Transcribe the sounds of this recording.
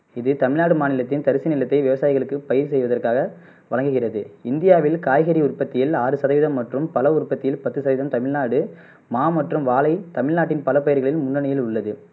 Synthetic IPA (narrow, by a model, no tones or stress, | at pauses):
ɪðɯt̪ɐmɪɻnaːɽɯmaːnɪlɐt̪ːɪnt̪ɐɾɪsinɪlɐt̪ːɐɪʋɪʋɐsaːjɪɣɐɭɯkːɯpɐjɪɾsɛjʋɐðɐrkaːɣɐ | ʋɐɻɐŋɡɯɣɪrɐðɯɪnd̪ɪjaːʋɪlkaːjɣɐɾiʊrpɐt̪ːɪjɪlaːɾɯsɐðɐʋɪðɐmːɐʈrɯmpɐlɐʊrpːɐt̪ːɪjɪlpɐt̪ːɯsɐðɐʋɪðɐmt̪ɐmɪɭnaːɽɯ | maːmɐʈrɯmʋaːlɐɪt̪ɐmɪɻnaːʈ̬ːɪnpɐlɐpɐjɪɾɣɐɭɪlmʊnːɐɳɐjɪlʊɭːɐðɯ